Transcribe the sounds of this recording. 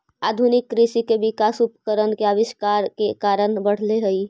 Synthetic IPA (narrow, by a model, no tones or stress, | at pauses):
aːd̪ʱunɪkːɾiʃikeʋɪkasupəkəɾənkeaʋɪʃkaɾkekaɾənbəɽ̤leɦəi